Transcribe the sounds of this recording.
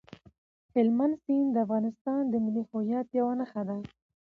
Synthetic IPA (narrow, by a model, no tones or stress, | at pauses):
hɪlmansind̪əafɣɑnɪst̪ɑnd̪əmɪlihʊjɑt̪jawanəxad̪a